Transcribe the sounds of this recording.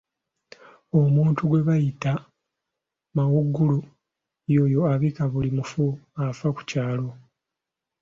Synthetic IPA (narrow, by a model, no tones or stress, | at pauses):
o̞muːntuɡwe̞βajita | mawuɡːulu | jo̞ːjo̞aβikaβulimufuafaku̥caːlo̞